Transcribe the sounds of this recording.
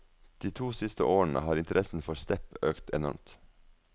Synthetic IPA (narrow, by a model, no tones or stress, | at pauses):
d̪̥iːt̪ʰuːsɪst̪ə̰ʔoːəɳ̩ə̰hɑːɾɪnt̪əɾʔɛsn̩fɔɾst̪ɛpøːkt̪ɛnɔ̰ɾmt̪